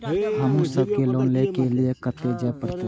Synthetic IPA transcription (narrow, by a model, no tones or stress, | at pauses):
ɦɐmʊsəb̚keloːnlekeliekət̪ed͡ʒapəɾt̪e